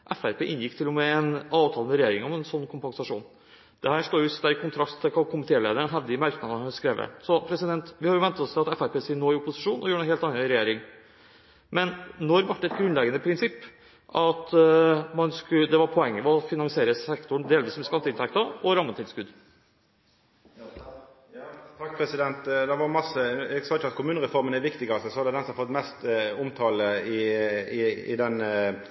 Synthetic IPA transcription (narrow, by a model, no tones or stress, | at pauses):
ʔɛfæɾpeːʔɪnjɪkːt̪ʰɪlːɔmɛɛnɑːʋt̪ʰɑːlnməɾɛjeːɾɪŋɔmɛnsɔnːkʰʊmpɑŋsɑʂṵːn | d̪̥ɛhæːʂɭoːjʊst̪æɾɪkʰʊnt̪ʰɾɑst̪ʰːɛkʰɑkʰʊmɪt̪ʰeːleːd̪əɳnɦɛʋd̪ɪəmæɾknɑd̪əskɾeːʋə̰sɔpʰɾɛsɪd̪ɛnt̪ʋɪhɑɾjʊʋɛnt̪ɑɔst̪ʰɪlɑt̪ɛfæɾpʰeːsinoːɪʊpʊsɪʂuːnʔɔ̰juːəɛheːlt̪ɑnːɑɾɛjeːɾɪŋ | mɛnːɔɾʋɑʈːɛt̪ɡɾʉnlɛɡənəpʰɾɪnsɪpː | ʔɑt̪mɑnskʉd̪ɛʋɑɾpʰɔɛŋːəʋɔfɪnɑŋsɪeːɾəsɛkt̪ʊɳd̪eːlʋiːsmɛskɑnt̪ɪnt̪ʰɛk̚t̪ɑʔɔɾɑmːət̪ɪlskʉd̪ | t̪ʰɑk̚pʰɾɛsɪd̪ɛnt̪d̪ɛʋɑɾmɑsəɛɡsɑːɪt͡ʃːəɑt̪kʰʊmʉːnəɾɛfɔɾmənɛɾʋɪkt̪ɪɡɑsəsɔɑd̪ɛd̪ɛnsɔmɑfɔt̪mɛst̪ʊmt̪ʰɑːləɪɪɪ̰d̪ɛn